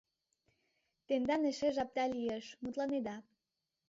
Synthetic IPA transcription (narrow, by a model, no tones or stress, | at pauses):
t̪end̪ɑneʃeʒɑp̚t̪ɑlieʃmut̪lɑned̪ɑ